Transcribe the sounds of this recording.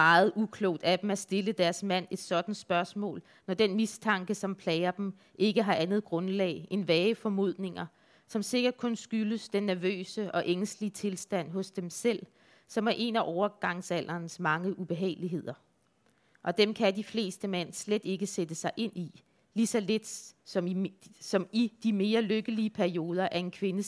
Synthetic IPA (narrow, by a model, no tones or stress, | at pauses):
mɑ̈ːð̞̩ˠukʰlɔʊ̰d̥æd̥em̩æsd̥e̝ləd̥æɐsmæn̰e̝d̥sɒ̽d̥n̩sb̥ɶɐsmɔ̰̽ːl | nɒd̥enmist͡sʰɑ̈ŋɡ̥əsɒ̽mpʰlɛɪɐd̥em | ʔe̝ɡ̥əɦɑ̈ʔænð̞̩ˠɡ̥ʁɔ̽nlɛ̰ːɪʔe̝nʋɛːəfɒ̽mo̝ð̞̰ˠne̝ŋɐ | sɒ̽mse̝ɡ̥ɐd̥̚kʰɔ̽nsɡ̥yləsd̥enːæɐʋø̰ːsəɒ̽ʔeŋslit͡sʰe̝lsd̥æn̰ɦɔ̽sd̥emsel̰ | sɒ̽mæɐʔe̝næʔɒʊɐɡ̥ɑ̈ŋsæl̰ɐːnsmɑ̈ŋəʔub̥e̝ɦɛ̰ːɪliɦe̝ð̞̰ˠɐ | ʔɒ̽d̥emkʰæd̥ifle̝̰ːsd̥əmæn̰sled̥e̝ɡ̥əsed̥əsɑ̈ɪʔe̝n̰i | lisɒ̽le̝d̥sɒ̽msɒ̽mid̥ime̝ːɐløɡ̥əliəpʰæɐio̝ːð̞ˠɐʔæɐe̝nkʰʋe̝nəs